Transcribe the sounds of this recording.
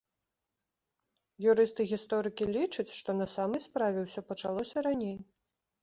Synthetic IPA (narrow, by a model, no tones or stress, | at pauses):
juɾɨst̪ɨɣʲist̪ɔɾɨkʲilʲit͡ʂɐt͡sʲʂt̪ɔnɐsamɐjspɾavʲɛwsʲɔpɐt͡ʂalˠɔsʲɐɾanʲej